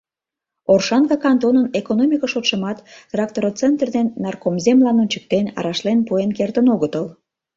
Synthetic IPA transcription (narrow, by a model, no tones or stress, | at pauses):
orʃɑnɡɑkɑnt̪onənekonomʲikəʃot̪ʃəmɑt̪t̪rɑk̚t̪oɾot͡sent̪rd̪enːɑrkomzemlɑnunʲt͡ɕə̥k̚t̪enɑ̰ɾɑʃlenpuenkert̪ənoɣət̪əl